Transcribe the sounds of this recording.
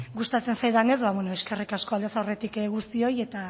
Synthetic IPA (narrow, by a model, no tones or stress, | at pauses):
ɡust̪at͡se̞nsajðane̞zβaβwenoeske̞rikasko̞ald̪esaowre̞t̪ikɣust̪io̞je̞t̪a